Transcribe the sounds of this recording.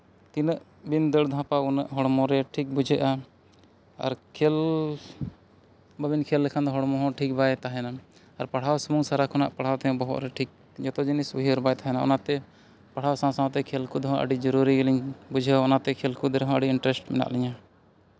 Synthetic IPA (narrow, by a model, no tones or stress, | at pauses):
t̪inəʔ | bind̪əɽd̪ʱãpaunəʔɦɔɽmɔ̃ɾɛʈʰik̚bud͡ʒʱeʔa | a̰ɾkʰel | babinkʰelːɛkʰand̪ɔɦɔɽmɔ̃ɦɔ̃ʈʰik̚bajt̪aɦɛna | aɾpaɽ̤awsmuŋsaɾakʰɔna̰ʔpaɽ̤awt̪ɛjɔ̃bɔɦɔ̰t̪ɾɛʈʰik̚ | d͡ʒɔt̪ɔd͡ʒinisuɦiɾbajt̪aɦɛnaɔ̰nat̪ɛ | paɽ̤awsãsãw̃t̪ɛkʰelkud̪ɔɦɔ̃ʔə̰ɖid͡ʒɔɾuɾiɡəliɲbud͡ʒʱɛaɔnat̪ɛkʰelkud̪ɔɾɛɦɔ̃əɖiiɳʈɾɛsʈmɛ̰na̰ʔlɛɲa